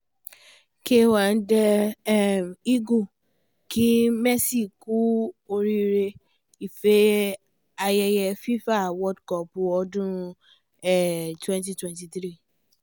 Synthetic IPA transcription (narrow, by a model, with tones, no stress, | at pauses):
ke˦wa˨n̩˦dɛ˧˦ | mi˦ɡo˦˨ | ki˨˦mɛ˦si˦˨ku˦o˧ɾi˦ɾe˧ | i˨fe˦ | a˧jɛ˧jɛ˧fi˦fa˦˨wɔ˦dkɔ˨pu˧ɔ˧dũ˦ɾ̃ũ˧ | ɛ˦˨twɛ̃˦nti˧twɛ̃˦nti˧t̪ɾi˦˨